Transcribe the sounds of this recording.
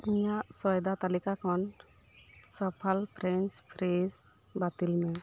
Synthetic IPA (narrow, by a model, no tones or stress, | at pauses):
ijaʔsɔjd̪at̪alikakʰɔn | səpʰalpʰɾɛnspʰɾes | bat̪ilmɛ